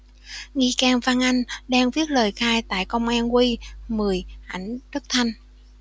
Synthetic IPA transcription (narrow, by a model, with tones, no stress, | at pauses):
ŋi˧kaː˧˩mvaː˧ŋʔa˧jŋ̟ɗaː˧ŋvi˦˥ət̚ləː˨˩jxaː˧jt̪a̰ː˧˨jkə˧wŋ͡mʔaː˧nkwi˧mɨ˨˩əjʔa˧˩jŋ̟ɗɨ˦˥k̚t̪ʰa˧jŋ̟